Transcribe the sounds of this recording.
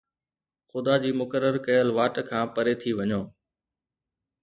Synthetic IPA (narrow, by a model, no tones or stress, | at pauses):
xʊd̪ad͡ʑiːmʊkəɾːəɾkɐjəlʋaːʈkʰãːpəɾet̪ʰiʋɐɲoː